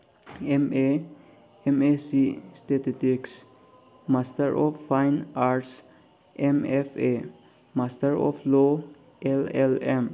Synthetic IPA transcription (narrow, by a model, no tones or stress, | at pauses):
eme | ɛmesist̪et̪ɪt̪ɪks | mast̪əɹʔɔʋfãɪnaɹs | ʔɛmɛfe | mast̪əɾɔ̰floː | ʔɛlɛlɛ̃m